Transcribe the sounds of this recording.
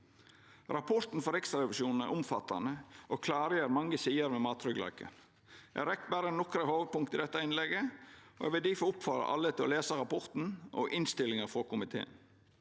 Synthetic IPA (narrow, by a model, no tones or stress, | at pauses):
ɾɑpʰɔɾt̪n̩fɔɾɛksɾɑɾɛʋɪʃuːnn̩æ̰ɾʔʊmfɑt̪ːɑ̰nəʔokʰlɑːɾəjeːɾmɑŋəsiːəɾmɛmɑːt̪ʰɾʏɡlɑ̰ɪkʰə̰n | ʔæ̰ɾɛk̪ːbæɾənɔkɾəhoːʋ̪̚pʊŋkt̪ɪd̪ɛt̪ːɑɪnlɛɡəɔɛ̰ʋɪld̪iːfɔʊpfɑɾə̰ʔɑ̰lːət̪ʰɪlɔ̰leːsəɾɑpɔɾt̪n̩ʔɔ̰ʔɪnst̪ɪlːɪŋəɾfɔɾkʰʊmɪt̪ʰḛːə̰n